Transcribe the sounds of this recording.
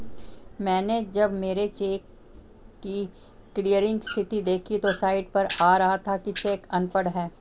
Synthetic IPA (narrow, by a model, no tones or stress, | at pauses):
mɛ̃ːned͡ʒɐbmeːɾet͡ʃeːkː | i | kliːjəɾɪ̃ŋɡst̪ʰɪt̪id̪eːkʰit̪osaːɪɖpɐɾaːɾɐɦat̪ʰakit͡ʃeːkɐnpəɽɦɛː